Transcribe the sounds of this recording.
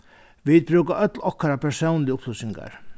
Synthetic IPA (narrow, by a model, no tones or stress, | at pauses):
ʋiːd̪̚bɾʉːkaʔœt̪lɔhkːaɾapʰɛsownlɪʊpʰlʊsɪŋɡa̰ɾ